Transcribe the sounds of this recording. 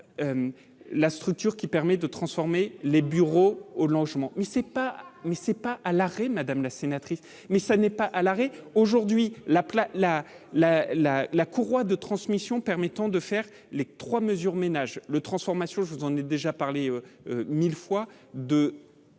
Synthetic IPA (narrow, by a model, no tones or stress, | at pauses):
øm | last̪χyk̚t̪yʁkʲipɛʁmɛd̪ət̪χɑ̃sfɔʁmelebyʁoolɑ̃ʒmɑ̃mɛsɛpamɛsɛpaʔalaʁemad̪amlasenat̪χis | mɛsanɛpaʔalaʁeoʒuʁd̪ɥilaplala | lalalakuʁwad̪ət̪χɑ̃smisjɔ̃pɛʁmɛt̪ɑ̃d̪əfɛʁ | let̪χwaməzyʁmenaʒlət̪χɑ̃sfɔʁmasjɔ̃ʒəvuzɑ̃nɛd̪eʒapaʁleøømilfwa | d̪ə